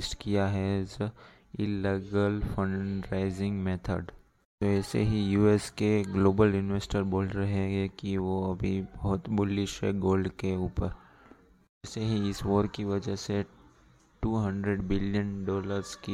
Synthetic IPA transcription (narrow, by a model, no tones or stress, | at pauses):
sʈkijaɦɛzə | ɪlːeɡəlfənɾaɪzɪ̃ŋɡmeːt̪ʰə̰ɖ | t̪oɛːsḛɦijuːɛskeɡloːbəljʊnʋeːsʈəɾboːlɾɐɦeɡekiʋoɐbʱibɐɦʊt̪bʊlːɪʃɦɛ̰ɡoːlɖkeuːpəɾ | ɛːseɦiɪsʋoːɾkiʋɐd͡ʒəɦse | ʈuːɦɐ̃ɳɖɾeɖbɪljənɖɔːləɾzki